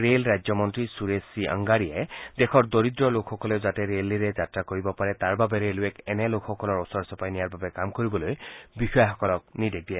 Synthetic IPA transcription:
ɹelɹajd͡ʒzjɔmɔntɹisuɹesiʔa̰ŋɡaɹijedexʰɔɹdoɹid̪ɹɔlokʰxɔkɔleʊzatɛɹeliɹɛzatɹakoɹibɔpaɹɛtaɹbabɛɾeluɛkɛnɛlokʰxɔkɔlɔɹɔsɔɹsɔpajnijaɹbabɛkamkoɹibɔlojbixɔjaxɔkɔlɔk̚nidek̚dijɛ

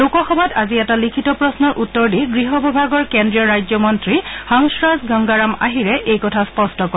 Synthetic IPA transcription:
lokɔxɔbataziɛtalikʰitɔpɹɔsnɔɹʔutːɔɹdiɡɹiɦɔbʱɔbʱaɡɔɹkendɹiɔɹajzɔmɔntɹihɔŋsɹasɡaŋɡaɹama̰ɦiɹɛʔejkɔtʰaspɔstɔkɔ

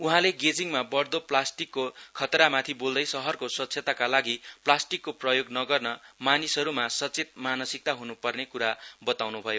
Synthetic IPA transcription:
uɦãleɡed͡ziŋmabʌrd̪oplasʈikːokʰʌt̪ɾamat̪ʰibold̪ʌjsʌɦʌrkosʌtsʰeʌt̪akalaɡiplasʈikːoprʌjoɡnʌɡʌrnʌmanisʌɾumasʌt͡set̪̚manʌsik̚t̪aɦunupʌrnekuɾabʌt̪awnubʱʌjo

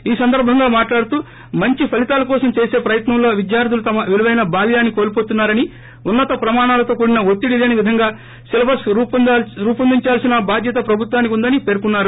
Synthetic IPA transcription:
iːsɐnd̪ɐɾbʱɐŋɡaːmaːʈlaːɽut̪uː | mɐɲt͡ʃipʰɐlit̪aːlɐkɔːsɐmt͡ʃe̞ːse̞ːpɾɐjɐt̪nɐmlo̞ːʋid̪jaːɾd̪ʱulut̪ɐmɐʋeliʋɐjnɐbaːljaːnːiko̞ːlipoːt̪unːaːɾɐni | unːɐt̪ɐpɾɐmaːɳaːlɐt̪o̞ːkuːɽinɐot̪ːiɽileniʋid̪ʱɐŋɡaː | silɐbɐsɾuːp̪ːɾuːpɐnd̪iɲt͡ʃaːlsinɐbaːd̪ʱjɐt̪̬ɐpɾɐbʱut̪waːnikʲund̪ɐnipe̞ːɾkunːaːɾu

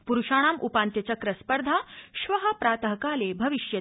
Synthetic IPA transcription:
puɾuʂaːɽ̃aːmʔupaːnt̪jɐt͡ɕakɾɐspəɾd̪ʱaːʃʋɐɦə̆pɾaːt̪əɦɐkaːlebʱɐʋiɕjɐ

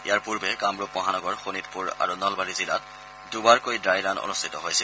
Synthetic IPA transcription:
ḭjaɹpuɹbɛkamɹup̚bɔɦanɔɡɔɹxonitpuɹa̰ɹunɔlbaɹizila̰t | dubaɹkojdajɹano̰nustʰitɔɦojsil

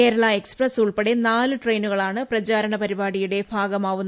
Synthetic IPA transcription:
eːɾɐɭɐe̞ksprɐsuɭpeɽenaːlɨʈrejnuɣɐɭaːɳɨprɐt͡ɕaːɾɐɳɐpɐɾibaːɽijuɽe̞bʱaːɡɐmaːʋunːɐ

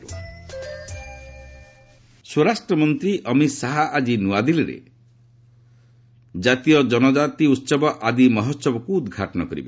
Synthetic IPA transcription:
swoɾasʈɾɔmɔnt̪ɾiʔʌmisaɦaad͡ʒinuad̪iliɾḛ | d͡ʒat̪ijɔd͡ʒɔnɔd͡ʒat̪iut̪ːsɔbɔʔad̪imɔɦɔt̪sɔbɔkuːd̪ɡʱaʈɔnɔkɔɾḭbe

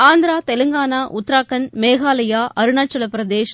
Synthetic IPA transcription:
aːnd̪ɾaːt̪ɛlɯŋɡaːnaːʔʊt̪ːɾaːkːɐnmeːɣaːlɐjaːʔʔɐɾɯnaːt͡ʃːɐlɐpɾɐd̪eːʂ

